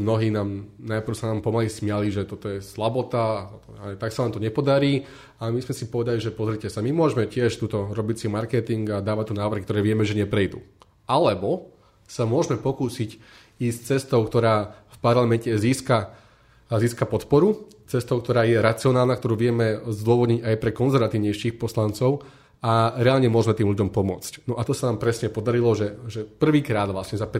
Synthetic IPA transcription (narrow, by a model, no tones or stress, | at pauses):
mnɔɦiːnaːmnajpr̩ʊsanaːmpɔmalismɪaliʒɛt̪ɔt̪ɔjɛslabɔt̪a | aɛt̪aksanaːmt̪ɔɲɛpɔd̪aɾiː | amizmɛsipɔʋɛd̪aliʒɛpɔzɾicɛsamimʊɔʒmɛcɪɛʃt̪uːt̪ɔɾɔbit͡simaɾkɛt̪iŋɡad̪aːʋat̪ːunaːʋr̩xikt̪ɔɾɛːʋɪɛmɛʒɛɲɛpɾɛjd̪ṵː | alɛbɔ | samʊɔʒmɛpɔkuːsic | iːst͡sɛst̪ɔʊkt̪ɔɾaːfpaɾlamɛncɛziːska | ziːskapɔt̪pɔɾu | t͡sɛst̪ɔʊkt̪ɔɾaːjɛɾat͡siɔnaːlˠnakt̪ɔɾuːʋɪɛmɛzd̪ʊɔʋɔd̪ɲiɟajpɾɛkɔnzɛɾʋat̪iːʊɲɛjʃiːxpɔslant͡sɔʊ | aɾɛaːlɲɛmʊɔʒmɛt̪iːmʎuɟɔmpɔmʊɔ̰t͡scnɔʔat̪ɔsanaːmpɾɛsɲɛpɔd̪aɾilɔʒɛʒɛpr̩ʋiːkɾaːd̪ʋlasɲɛzap